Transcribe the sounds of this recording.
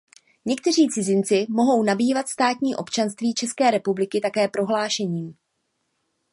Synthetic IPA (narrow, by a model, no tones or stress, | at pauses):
ɲɛk̚t̪ɛr̝iːt͡sɪzɪnt͡sɪmo̞ɦo̞wnabiːvat̪st̪aːt̪ɲiːʔopt͡ʃanst̪viːt͡ʃɛskɛːɾɛpublɪkɪt̪akɛːpɾo̞ɦlaːʃɛɲiː